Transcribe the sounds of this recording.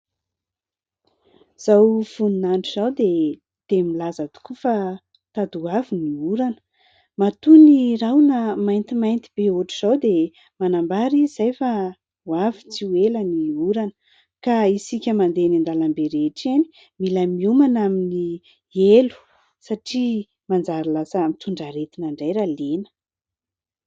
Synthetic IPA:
z̥awfununaɳʈ͡ʂuz̥awd̪e | t̪emilazət̪u̥kufa | t̪ad̪uaviniuɾanə̥ | mat̪unirawnamajnt̪imajnt̪ib̥euʈ͡ʂuz̥awd̪e | manambaɾiz̥ajfa | wavit͡siweləniuɾanə̥ | kaisikʲəmand̪enind̪alambeɾeʈ͡ʂani̥ | milamiumanamini | elu̥ | saʈ͡ʂi | mand͡zaɾilasamit̪uɳɖ͡ʐaɾet̪inaɳɖ͡ʐajɾalenə̥

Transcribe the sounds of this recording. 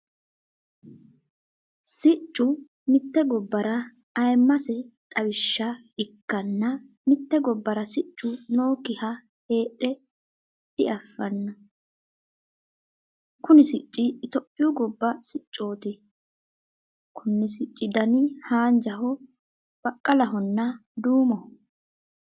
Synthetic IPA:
sɪt͡ʃʼːʊ | mɪt̪ːɛɡɔbːɐɾɐː | jmːɐsɛt̪ʼɐwɪʃːɐ | ɪkːɐnːɐ | mɪt̪ːɛɡɔbːɐɾɐsɪt͡ʃʼːʊno̞ːkɪhɐ | he̞ːʔɛ | ɗɪ̰ʔɐfːɐnːɐ | kʊnɪsɪt͡ʃʼːɪt̪ɔpʼːɪjʊɡɔbːɐsɪt͡ʃʼːo̞ːt̪ɪ | kʰʊnːɪsɪt͡ʃʼːɪd̪ɐnɪhaːnd͡ʒɐɦɔ | b̥ɐkʼːɐlɐɦɔnːɐd̪uːmɔ

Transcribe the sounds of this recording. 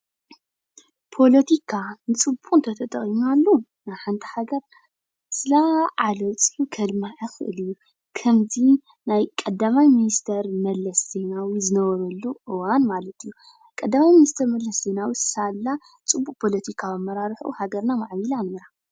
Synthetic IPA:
pʰo̞lɐt̪ʰikʰanɨt͡sʼɨbunt̪ʰɐt̪ʰɐt̪ʼɐ̰χʼimalːu | najħant̪ʰi̥haɡɐɾ | sɨlaʕalɐwt͡sʼɨħukʰɐd̪maʕixɨʔɨ̰lijːu | kʰɐmzi | najkʼɐd̪ːamajminist̪ʰɐɾmɐlːɐszenawizɨnɐβɐɾɐlːuʔɨwanmalɐt̪ʰijːu | kʼɐd̪ːamajminist̪ʰɐɾmɐlːɐszenawisɨ̥salːa | t͡sʼɨbːukʼpʰo̞lɐt̪ʰikʰabɐmːɐɾaɾħʔṵhaɡɐɾnamaʕmilanmɨɾa

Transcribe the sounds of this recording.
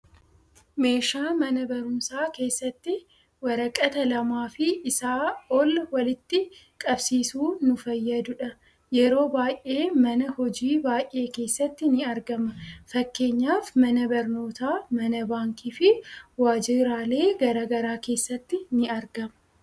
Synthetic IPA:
me̞ːʃaːmɐnɐbɐɾʊnsaːke̞ːsːɐt̪ːɪ | wɐɾɐkʼɐt̪ɐlɐmaːfɪʔːsaːɔlwɐlɪt̪ːɪ | kʼɐbsiːsuːnʊfɐjːɐd̪ʊᶑɐ | jɛɾo̞ːbaːjʔe̞ːmɐnɐhɔd͡ʒiːbaːjʔe̞ːke̞ːsːɐt̪ːɪnɪɐɾɡɐmɐfɐkːe̞ːɲːaːfmɐnɐbɐɾno̞ːt̪aːmɐnɐbaːŋkiːfɪwaːd͡ʒɪɾaːle̞ːɡɐɾaːɡɐɾaːke̞ːsːɐt̪ːɪnɪɐɾɡɐmɐ

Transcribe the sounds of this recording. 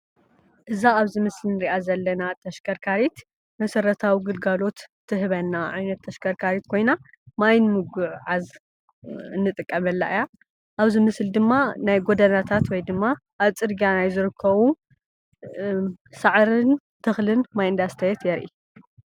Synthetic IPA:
ʔɨzaːβzɨmɨslnɨɾiʔazɐlːɐnat̪ʰɐʃkʰɐɾkʰaɾit̪ | mɐsɐɾɐt̪ʰawiɡɨlɡalo̞t̪ʰː | ɨɦɨβɐnːaʕajnɐt̪ʰːɐʃkʰɐɾkʰaɾit̪kʰo̞jna | majnmɨɡuʕʕaz | ɨnːɨt̪ʼɨkʼːɐmɐlːa̰ʔɨja | ʔaβzɨmɨsld̪ɨmːanajɡo̞d̪ɐnat̪ʰat̪wɔjd̪ɨmːaʔaβt͡sʼɨd̪ɡianajzɨɾɨkʰːɐβu | saʕɾɨn | t̪ʰɨxlɨnmajɨnd̪ast̪ʰɐjɛt̪jɛɾʔḭ

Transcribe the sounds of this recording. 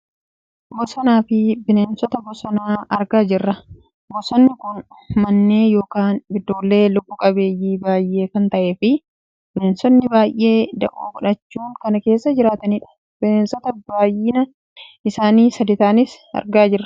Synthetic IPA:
bɔsɔnaːfɪbɪneːnsɔt̪ɐbɔsɔnaːɐɾɡaːd͡ʒɪrːɐ | bɔsɔnːɪkʊn | mɐnːe̞ːjo̞ːkaːnɪd̪ːo̞ːlːe̞ːlʊbːʊkʼɐbe̞ːjːiːbaːjʔːe̞ːkɐnt̪ɐʔe̞ːfɪ | b̥ɪneːnsɔnːɪbaːjʔːe̞ːd̪ɐʔṵːkʊᶑɐt͡ʃːuːŋkɐnɐke̞ːsːɐd͡ʒɪɾaːt̪ɐniːᶑɐ̥ | b̥ɪneːnsɔt̪ɐbaːjɪnɐ | ɪsaːniːsɐd̪ɪt̪aːnɪs | ɐ̰ɾɡaːd͡ʒɪrːɐ̥

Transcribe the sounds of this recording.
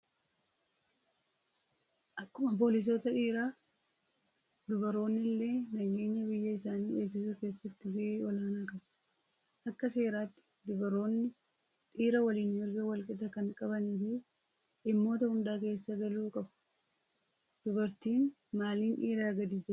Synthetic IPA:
ʔɐkːʊmɐp̬o̞ːlɪs̬o̞ːt̪ɐᶑiːɾaː | d̪ʊbɐɾo̞ːnːɪlːe̞ːnɐɡe̞ːɲːɐbɪjːɐɪsaːniːe̞ːɡɪsuːke̞ːsːɐt̪ːɪɡɐʔeːɔlaːnaːkʼɐb | ʔɐkːɐse̞ːɾaːt̪ːɪ̥d̪ʊbɐɾoːnːɪ | ᶑiːɾɐwɐliːnmɪɾɡɐwɐlkʼɪt̪ɐkɐŋkʼɐbɐniːfɪ | ʔɪmːo̞ːt̪ɐhʊnd̪aːke̞ːsːɐɡɐluːkʼɐbʊ̥ | d̪̥ʊbɐɾt̪iːn | maːliːnᶑiːɾaːɡɐd̪iːd͡ʒɛ

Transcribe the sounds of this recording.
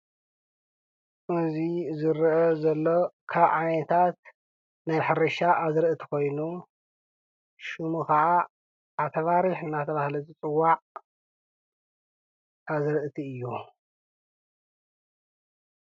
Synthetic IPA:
ʔɨzizɨɾʔɐzɐlːo̞kʰaβʕanet̪ʰat̪̚ | najħɨɾɐʃaʔazɨɾʔɨt̪ʰi̥ko̞jnu | ʃumukɐʕa | at̪ʰɐβaɾiħɨnːat̪ʰɐβahlɐzɨt͡sʼɨwːaʕ | ʔazɨɾʔɨt̪ʰiɨjːu

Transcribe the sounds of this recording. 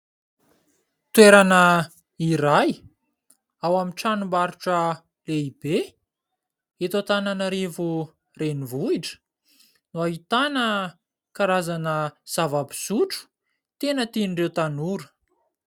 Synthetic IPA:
t̪weɾanə | iɾaj | awamiʈ͡ʂanumbaɾuʈ͡ʂə | leib̥e | et̪ot̪ananaɾevu | renivuiʈ͡ʂə̥ | nuaɦit̪anə | kaɾazanəz̥avabi̥suʈ͡ʂu̥ | t̪enət̪inirewt̪anuɾə̥

